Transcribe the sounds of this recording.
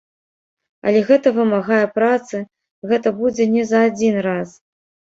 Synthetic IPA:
ɐ̰lʲɛɣɛt̪ɐvɨmaɣajɛpɾat̪sɨ | ɣɛt̪ɐbud͡zʲɛnʲɛzɐːd͡zʲinras

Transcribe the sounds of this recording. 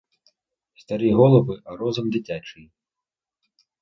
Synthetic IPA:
st̪aɾɨɣɔlˠɐvɨʔaɾɔzɐmd̪it͡sʲat͡ʂɨj

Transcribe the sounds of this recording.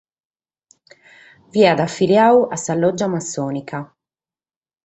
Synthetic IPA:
viad̪afiɾjaːwasalːɔd͡ʒːamasːɔːnika

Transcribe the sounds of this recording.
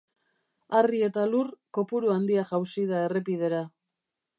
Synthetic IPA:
arie̞t̪alurko̞puɾuand̪iaʝawsiðae̞re̞pið̞e̞ɾa

